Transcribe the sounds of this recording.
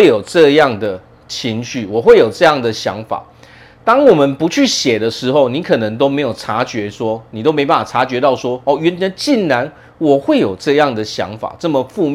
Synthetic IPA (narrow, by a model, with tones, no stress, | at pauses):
jo˨˩ʊʈ͡ʂɤ˥˧jɑ˥˩ŋd̪ə˩ | t͡ɕʰi˧˥ŋɕy˥˩wɔ˨˩xwe˥˩ɪjo˨˩ʊʈ͡ʂɤ˥˧jɑ˥˩ŋd̪ə˩ɕjɑ̰˧˦˥ŋfa̰˨˩ | t̪ɑ˥ŋwɔ˨˩mə˨˦npu˧˦t͡ɕʰy˥˩ɕjɛ˨˩d̪ə˦ʂɻ̩˧˦xo˥˩ʊni˧˥˦kʰɤ˨˩nə˧˦ŋt̪̬o˥ʊme˧˥ɪjo˨˩ʊʈ͡ʂʰa˧˥˦t͡ɕɥɛ˧˦swɔ˦ni˨˩t̪o˥ʊme˧˥pa˥n˩fa˨˩ʈ͡ʂʰa˧˥t͡ɕɥɛ˧˥t̪ɑ˥˩ʊswɔ˦ɔ˥˩ɥɛ˨˦nɛ˧˦nt͡ɕi˥˩nɻa˧˦n | wɔ˨˩xwe˥˩ɪjo˨˩ʊʈ͡ʂɤ˥˧jɑ˥˩ŋd̪ə˩ɕjɑ̰˧˥ŋfa̰˨˩ʈ͡ʂɤ˥˩mə˨fu˥˧m